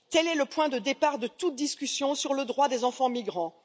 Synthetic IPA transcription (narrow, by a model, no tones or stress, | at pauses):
t̪ɛlɛləpwɛ̃d̪əd̪epaʁd̪ət̪ut̪̚d̪iskʲysjɔ̃syʁləd̪ʁwad̪ezɑ̃fɑ̃miɡʁɑ̃